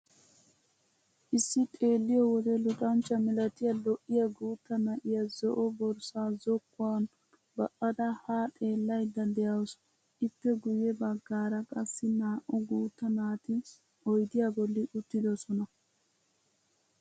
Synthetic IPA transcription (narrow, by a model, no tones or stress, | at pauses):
ʔɪsːɪt̪ʼe̞ːlːɪjɔwɔd̪ɛlʊtʼɐnt͡ʃːɐmɪlɐt̪ɪjɐlɔʔːɪjɐɡuːt̪ːɐnɐʔɪjɐzɔʔɔbɔɾsaːzɔkːʊan | bɐʔɐd̪ɐhaːt̪ʼe̞ːlːɐjd̪ːɐd̪ɛjɐws | ʔɪtːɛɡʊjɛbɐɡːaːɾɐkʼɐsːɪnaːʔʊɡuːt̪ːɐnaːt̪ɪ | ɔjd̪ɪjabɔlːɪʔʊt̪ːɪd̪ɔsɔnɐ